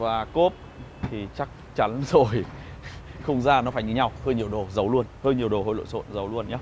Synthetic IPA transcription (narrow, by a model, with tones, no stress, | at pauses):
vaː˨˩ko˦˥p̚ | t̪ʰi˨˩t͡ɕa˦˥k̚t͡ɕa˨˦nzo˨˩j | xə˧wŋ͡mzaː˧nɔ˨˦faː˧˩jɲɨ˨˦ɲa˧whəː˧jɲi˨˩əwɗo˨˩zə˨˦wlu˧ənhəː˧jɲi˨˩əwɗo˨˩ɦo̰˧˩jlo̰˧˨jso̰˧˨nzə˨˦wlu˧ənɲaː˨˦